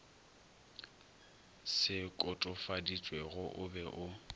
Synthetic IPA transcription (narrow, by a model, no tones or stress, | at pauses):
sɪkʼɔtʼʊfadit͡ʃʼwɛɣʊʔʊbɛʔʊ